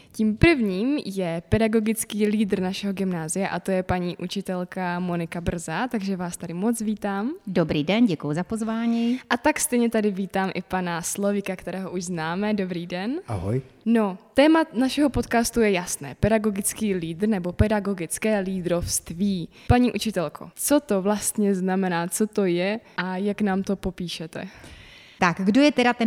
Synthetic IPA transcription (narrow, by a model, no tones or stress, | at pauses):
ciːmpr̩vɲiːmjɛpɛdaɡo̞ɡɪt͡skiːliːdr̩naʃɛɦoɡɪmnaːzɪjaʔat̪o̞jɛpaɲiːʔut͡ʃɪt̪ɛlkamo̞nɪkabr̩zat̪aɡʒɛvaːst̪adɪmo̞t͡sviːt̪aːmdobɾiːdɛnɟɛkujuzapozvaːɲiʔat̪akst̪ɛjɲɛt̪adɪviːt̪aːmʔɪpanaslo̞vɪkakt̪ɛɾɛːɦoʔuʒznaːmɛdo̞bɾiːdɛnʔa̰ɦo̰jno̞t̪ɛːmanaʃɛɦopo̞t̪kaːst̪ujɛjasnɛ̰ːpɛdaɡo̞ɡɪt͡skiːliːd̪r̩nɛbo̞pɛdaɡo̞ɡɪt͡skɛːliːd̪ɾofst̪viː | paɲiːʔut͡ʃɪt̪ɛlkʰo̞̰t͡so̞t̪o̞vlast̪ɲɛznamɛnaːt͡so̞t̪o̞jɛʔajaknaːmt̪o̞po̞piːʃɛt̪ɛ̰ | t̪aɡɡdojɛt̪ɛɾat̪ɛ